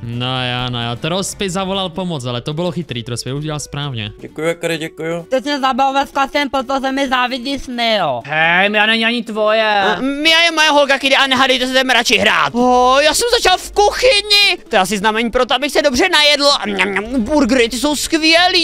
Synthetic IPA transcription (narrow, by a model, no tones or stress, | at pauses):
nojaːnojaːt̪ɾospɪzavolalpomot͡salɛt̪obɪloxɪt̪ɾiːt̪ɾospɪuɟɛalspɾaːvɲɛ̰ɟɛkujuɛkɾɪɟɛkujut̪ɛsnɛzabavovɛsklasɛmpɾot̪ozɛmɪzaːvɪd̪lismɪoɦɛjmjaːnɛɲɪaɲɪt̪vojɛmɪjajɛmojɛɦolkakɪdɛʔanɛɦadɛjt̪ɛsɛt̪ɛmɾat͡ʃɪɦɾa̰ːt̪̚ojaːsɛmzat͡ʃalfkuxɪɲɪt̪ojɛas̬ɪznamɛɲiːpɾot̪oabɪxsɛdo̞brɛnajɛdl̩buɾɡɾɪt̪ɪs̬o̞wskvɪɛliː